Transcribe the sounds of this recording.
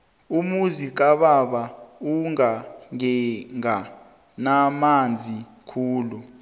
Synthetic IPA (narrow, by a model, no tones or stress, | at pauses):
umuzik̬ʼaɓaɓauŋaŋɛŋa | namand͡zʱi | kʰuːlu